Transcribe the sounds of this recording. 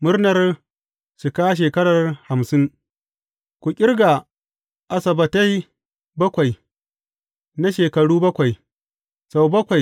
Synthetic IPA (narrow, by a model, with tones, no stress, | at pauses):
mʊ˦rnɐ˨r | ʃɪ˨kaː˦ʃ̬eː˨kɐ˦ɽɐ˨rha˨msɪ˦ŋ | kʷu˨kʲʼɪ˦rɡa˨ | ʔa˨sɐ˨bɐ˨ta˦j | bɐ˦kʷa˨j | na˦ʃeː˨kɐ˨ɽuː˦bɐ˦kʷa˨j | sa˨wbɐ˦kʷa˨j